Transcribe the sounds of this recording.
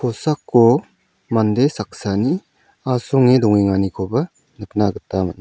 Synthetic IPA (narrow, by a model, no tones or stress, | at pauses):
kʰɔsakːo | mandesak̚sani | asɔŋedɔŋiŋanikʰobɐ | nɯk̚naɡɯtːamat̚n